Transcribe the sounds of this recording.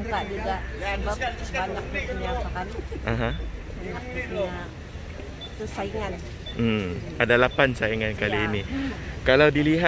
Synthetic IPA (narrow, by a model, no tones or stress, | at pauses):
baʔd͡ʒuɡaʔabapaɲak̚səniapakaliʔaɦãbaɲak̚iɲaʔ | kəsaiŋan̩ | madalapansaiŋankaliːnikalawdiliɦa